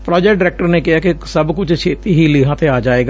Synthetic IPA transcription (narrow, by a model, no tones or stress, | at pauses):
pɾɔːd͡ʒɛkʈ̚ɖɪɾɛːk̚ʈəɾneːkɪɦaːkɪsəbkʊt͡ʃʰt͡ʃʰeːt̪iːɦiːlɪɦãːt̪ʰeaːd͡ʒaːeːɡa